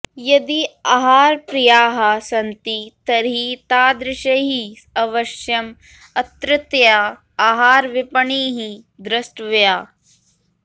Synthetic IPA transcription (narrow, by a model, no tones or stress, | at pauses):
jɐd̪iaːɦaːɾpɾijaːɦɐsɐnt̪it̪ɐɾit̪aːd̪ɾɪʃɐɦi | ɐʋɐʃjɐm | ɐt̪ɾɪt̪jaː | ɦaːɾʋipɐɳiːɦi | d̪ɾɐsʈʋjaː